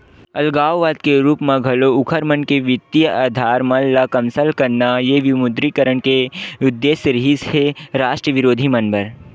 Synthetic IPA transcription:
ɐlɡaːwʋaːd̪keɾuːpmɐ̃ɡʱɐloʊkʰəɾmɐnkeʋɪt̪ːijəaːd̪ʱaːɾmɐlːakɐmsəlkɐɾnajeʋɪmʊd̪ɾikəɾəɳkeʊd̪ːeːsəɾiɦisheɾaːʃʈɾəʋɪɾoːd̪ʱimɐnbəɾ

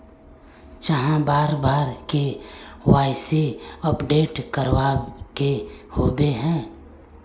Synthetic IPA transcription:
t͡ʃəɦãbaːɾbaːɾkewaːɪseəpɖeːʈkəɾwaːkehoːbeɦɛ̃ː

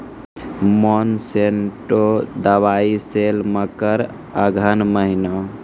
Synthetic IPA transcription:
mɔnseɳʈod̪əʋaiselməkəɾ | əɡʱənməɦina

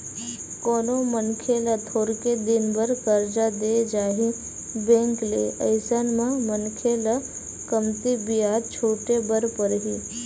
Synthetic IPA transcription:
koːnomənkʰelat̪ʰoːɾked̪ɪnbəɾkəɾd͡ʒad̪ed͡ʒaːɦĩ | bẽŋklḛə̰ɪsanmãmənkʰela | kəmt̪ibijaːd̪̚t͡ʃʰoːʈebəɾpəɾɦi

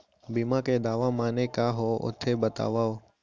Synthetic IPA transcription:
biːmãːkeːd̪aːʋãːmaːneːkaːɦoːʔʊ̰t̪ʰeːbət̪a̰ːʋaːo

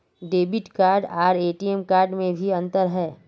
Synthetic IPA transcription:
ɖeːbɪʈkaːɾɖaːɾeːʈiɛmkaːɾɖmẽbʱiɐ̃nt̪əɾɦɛː

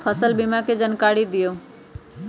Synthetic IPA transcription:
pʰəsəlbɪmaked͡ʒənkaːɾid̪ɪjo

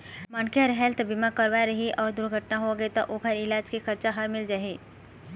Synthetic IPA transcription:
mənkeɾɦɛlt̪ʰbɪmakəɾʋaɾɐɦiʔɔːɾd̪ʊɾɡʱəʈnaɦoɡet̪ɔʔoːkəɾɪlaːd͡ʒkixʰɐɾt͡ʃaɦɐɾmɪld͡ʒaːɦeː

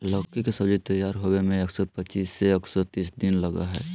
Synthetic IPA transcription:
lɔkikesɐbd͡ʒit̪ɐjːaːɾɦowemẽeksɔpət͡ʃiːseeksɔt̪iːsd̪ɪnlɐɡa̰ɦɛ̰ː

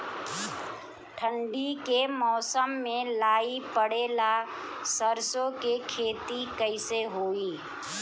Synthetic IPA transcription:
ʈʰə̃ɳɖikemɔːsəmːẽlaːipəɽeːla | səɾsõkekʰeːt̪ikəɪseɦoːiː

